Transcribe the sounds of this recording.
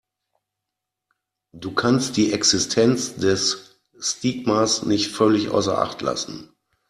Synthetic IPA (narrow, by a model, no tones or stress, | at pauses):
d̥uːkʰanstd̥iːʔɛksɪstʰɛnt͡sdɛsː | tiːk̚masnɪçtfœlɪçʔa̰ʊsɐ̰ʔa̰χtʰla̰sn̩